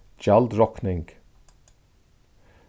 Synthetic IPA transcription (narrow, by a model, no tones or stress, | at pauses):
d͡ʒald̪ɾɔknɪŋɡ̥